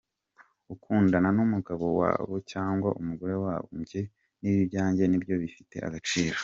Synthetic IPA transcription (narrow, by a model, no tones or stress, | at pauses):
ukʰuːndananumuɡaβo̞wa̰ːβocaːŋɡwaʔumuɡoɾe̞waːβo̰mɟe̞ | niβiβɟaːɲɟe̞nibjo̞βifite̞a̰ɡat͡ʃiːɾo